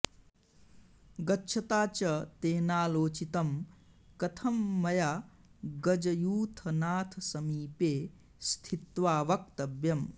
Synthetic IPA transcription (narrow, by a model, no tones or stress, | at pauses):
ɡɐtːʃʰɐt̪aːt͡ʃɐt̪eːnaːloːt͡ʃit̪ɐm | kɐt̪ʰɐmːɐja | ɡɐd͡ʒɐjuːt̪ʰɐnaːt̪ʰɐsɐmiːpeː | st̪ʰit̪ʋaːʋɐkt̪ɐbjɐm